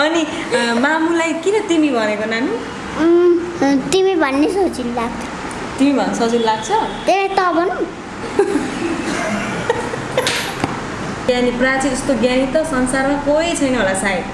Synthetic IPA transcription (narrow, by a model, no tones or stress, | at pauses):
ʌni | mamulajkinʌt̪imibʱʌnekonani | t̪imibʱʌnːesʌd͡zilːaɡt̪ʰ | t̪imibʱʌnesʌd͡zillaɡ̚t͡sʰʌt̪eɾat̪ʌbʱʌn | janiprat͡siuskoɡjanit̪ʌsʌnsarmakoit͡sʰʌjnʌɦolasaj